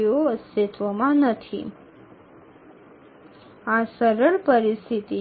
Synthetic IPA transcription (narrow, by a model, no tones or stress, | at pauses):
joəst̪ɪt̪ʋəmãnət̪ʰḭ | asəɾəɭpəɾist̪ʰit̪i